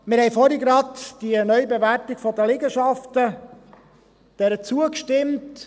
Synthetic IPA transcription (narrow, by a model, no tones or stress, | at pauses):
mɪɾhɛɪfɔɾiɡɾɑtd̥iənœʏbevæɾtɪɡ̥fɔdəlɪɡəʃɑftə | d̥ɛɾət͡suəkʃtɪmt